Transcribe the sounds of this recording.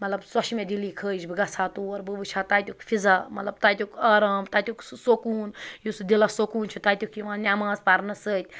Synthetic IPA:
mɐt̪lɐbsɔʃimẽd̪iliːkʰəːd͡ʒbiɡɐsʰaːt̪uɐɾbəbɨt͡ʃʰaːt̪aːt̪ʲukfʰizaːmɐt̪lɐbt̪aːt̪ʲukaːɾaːmt̪aːt̪ʲuksokuːnjusd̪ilasokuːnt͡ʃʰut̪aːt̪ʲukiʋãːnʲaːmãːzpaɾnɐsət̪ʲ

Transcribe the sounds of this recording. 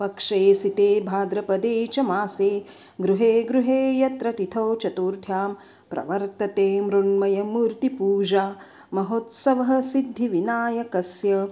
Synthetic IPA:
pɐkʂɐsit̪eːbʱaːd̪ɾɐpɐd̪eːt͡ʃɐmaːseː | ɡɾuɦeːɡɾuɦeːjɐt̪ɾɐt̪it̪ʰɐwt͡ʃɐt̪uːɾt̪ʰjaːm | pɾʔɐ̰ʋɐɾt̪ɐt̪eːmɾuɳmɐjɐmuːɾt̪ipuːd͡ʒaː | mɐɦoːt̪sɐʋɐɦɐsid̪ʱjiʋinaːjɐkɐsjɐ

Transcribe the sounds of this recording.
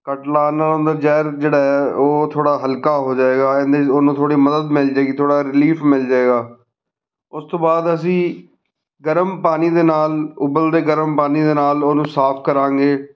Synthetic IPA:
kəʈlaːnələ̃nd̪əɾd͡ʒɛːɾd͡ʒeːɽaːɦɛoːt̪ʰoːɽaːɦəlkaːɦoːd͡ʒaːeːɡaːɛ̃nd̪eoːnũːt̪ʰoːɽiːməd̪əd̪mɪld͡ʒaːeːɡiːt̪ʰoːɽaːɾɪliːpʰmɪld͡ʒaːeːɡaː | ʊst̪õːbaːd̪əs̬ĩː | ɡəɾəmpaːniːd̪eːnaːlʊbəld̪eːɡəɾəmpaːniːd̪eːnaːloːnũːsaːpʰkəɾãːŋɡeː

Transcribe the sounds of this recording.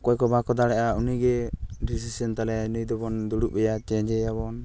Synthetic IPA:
kɔɛkɔbakɔd̪aɽɛʔauniɡɛɾis̬isɛnt̪alɛnijd̪ɔbɔnd̪uɽuʔɛjat͡ʃɛd͡ʒɛjabɔn

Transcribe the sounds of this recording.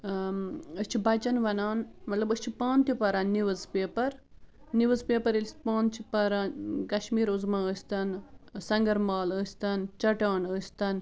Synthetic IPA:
əsʲt͡ʃʰibɐt͡ʃɐnʋɐnaːnmɐt̪lɐbəsʲt͡ʃʰipaːnt̪ipɐɾɐnːiʋɐzpeːpɐɾ | niʋɐzpeːpɐɾilʲsʲt̪pãːnt͡ʃʰipɐɾaːnkɐʃmiːɾuzmaəsʲt̪ɐnsɐŋɡɐɾmaːləsʲt̪ɐnt͡ʃɐʈaːɳəːsʲt̪ɐn

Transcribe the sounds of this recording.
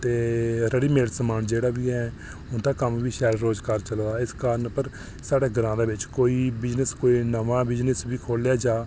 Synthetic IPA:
t̪eːɾəɽiːmeːɽsəmaːnd͡ʒeːɽaːbiːɦɛː | ʊnd̪aːkəmʋiːʃɛːɾɾoːd͡ʒkaːɾt͡ʃəlaːɪskaːɾənpəɾ | saːɽeːɡəɾãːd̪eːʋɪt͡ʃkoːiːbɪd͡ʒnəskoːiːnəʋãːbɪd͡ʒnəsʋiːkʰoːljaːd͡ʒaː

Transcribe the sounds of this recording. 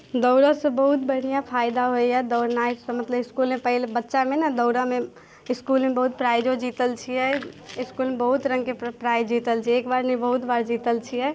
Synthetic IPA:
d̪ɔʊɾasẽbəɦʊt̪bəɽ̤ijãpʰaːɪd̪aɦoejad̪ɔːɾnaismət̪ləbɪskuːlmepəɦɪlebətːʃamẽnad̪ɔːɾamẽ | ɪskuːlmẽbəɦut̪̚pɾaːjd͡ʒod͡ʒiːt̪əlt͡ʃʰiɦɛɪskuːlmebəɦʊt̪ɾə̃ŋɡkepɾaːjd͡ʒiːt̪əlt͡ʃʰieːkbaːɾnəibəɦʊt̪baːɾd͡ʒiːt̪əlt͡ʃʰiɦɛ

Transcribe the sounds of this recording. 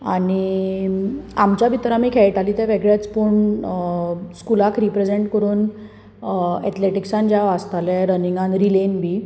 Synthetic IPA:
aɽ̃i | amt͡ɕjabʱit̪ɾamiːkʰɛɭʈaliːt̪jaʋeɡɭjat͡spuɳ | skulakɾipɾed͡zeɳʈkəɾuːn | ɛ̰t̪leʈiksãnd͡ʑjaʋast̪alɛɾəniŋɡãnɾilenbi

